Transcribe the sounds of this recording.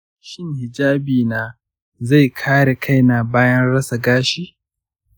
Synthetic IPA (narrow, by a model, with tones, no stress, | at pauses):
ʃɪ˦ŋhɪ˨d͡ʒaː˦biː˨naː˨ | za˦˨jkʰaː˦ɽe˨kʰa˦˨jna˨baː˦jɐ˦nɽɐ˦sa˨ɡaː˦ʃiː˦